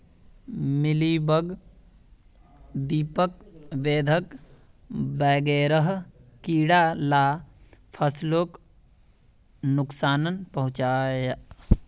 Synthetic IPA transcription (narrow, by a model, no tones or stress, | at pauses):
mɪlibəɡ | d̪iːpək̚ʋeːd̪ʱək | bɛːɡeːɾəɦkiːɽalaːpʰəsloːk | nʊksaːnənpəɦʊ̃t͡ʃaːjə